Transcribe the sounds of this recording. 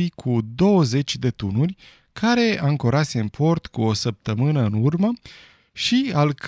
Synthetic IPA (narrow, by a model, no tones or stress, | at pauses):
jkʰud̪o̞wəze̞t͡ʃʲd̪e̞t̪unurʲ | kʰaɾe̞aŋkoɾase̞ɨnpʰo̞rt̪kuo̞səp̚t̪əmɨnəɨnurmə | ʃialk